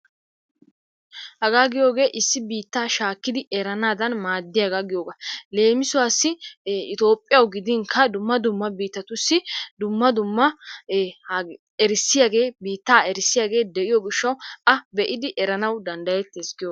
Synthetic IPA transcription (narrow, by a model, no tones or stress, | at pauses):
hɐɡaːɡɪjo̞ːɡe̞ːʔɪsːɪbiːt̪ːaːʃaːkːɪd̪ɪʔɛɾɐnaːd̪ɐnmaːd̪ːɪjaɡɐɡɪjoːɡɐle̞ːmɪsʊwaːsːɪɪt̪o̞ːpʼːɪjɐwɡɪd̪ɪŋkʰɐd̪ʊmːɐd̪ʊmːɐbiːt̪ːɐt̪ʊsːɪd̪ʊmːɐd̪ʊmːɐ | ɛɾɪsːɪjaɡe̞ːbiːt̪ːaːɛɾɪsːɪjaːɡe̞ːd̪ɛʔɪjɔɡɪʃːɐwɐbɛʔɪd̪ɪʔɛɾɐnɐwd̪ɐnd̪ɐjɛt̪ːɪɛskːɪjo